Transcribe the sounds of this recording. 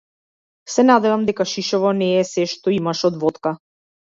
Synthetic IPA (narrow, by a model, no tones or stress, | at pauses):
sɛnad̪ɛvamd̪ɛkaʃiʃɔvɔnɛːsɛʃt̪ɔimaʃɔd̪vɔt̪ka